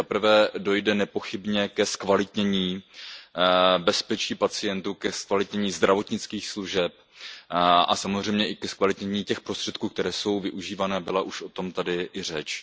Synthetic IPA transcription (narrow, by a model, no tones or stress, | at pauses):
apɾ̩vɛːdo̞jdɛnɛpo̞xɪbɲɛkɛskvalɪt̪ɲɛɲiː | bɛspɛt͡ʃiːpat͡sɪjɛnt̪uːkɛskvalɪt̪ɲɛɲiːzd̪ɾavo̞t̪ɲɪt͡skiːxsluʒɛp̚ | ʔa̰samozr̝ɛjmɲɛʔɪkɛskvalɪt̪ɲɛɲiːcɛxpɾo̞st̪r̥ɛt̪̚kuːkt̪ɛɾɛːso̞wvɪʔuʒiːvanɛːbɪlaʔuʃʔo̞t̪o̞mt̪adɪʔɪrɛt͡ʃ